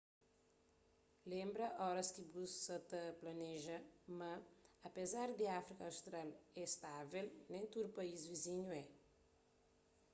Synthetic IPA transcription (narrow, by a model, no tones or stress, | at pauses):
lẽmbɾɐʔɔɾɐskibussɐt̪ɐplɐnɛʒɐmɐːpezaɾd̪ɪafɾikɐːwst̪ɾalɛst̪avelnẽj̃t̪ud̪upɐizviziɲuɛ